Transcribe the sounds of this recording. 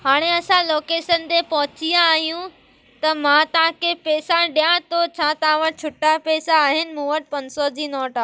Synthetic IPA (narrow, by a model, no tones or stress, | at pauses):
ɦaːɽ̃eɐsãloːkeːʃənt̪epɐɦʊt͡ɕijãːɦijũ | t̪ɐmãt̪ɐɦãkʰepɛːsãɗijãt̪ʰot͡ɕʰãːt̪ɐɦãʋəʈt͡ɕʰʊʈapɛːsaːɦɪnɪ̆mũːʋəʈ̚pɐ̃nsɔd͡ʑiːnɔːʈa